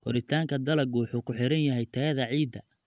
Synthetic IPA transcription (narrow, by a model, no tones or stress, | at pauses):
kʰɔɾɪt̪ʰaːŋkʰɐd̪ɐlɐɡwʊħuːkʰʊħɪɾɐnjɐɦɛjt̪ʰɐɣɐðɐʕiːd̪ɐ